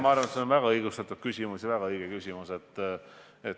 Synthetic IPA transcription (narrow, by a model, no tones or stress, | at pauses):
mɑɑrvɑnet̪seonvæɡ̥ɑɤjɡust̪ɑt̪ːˑud̪̥̚kysʲimusʲjɑvæɡɑɤjɡ̥ekysʲimuse̞t̪ːˑ | et̪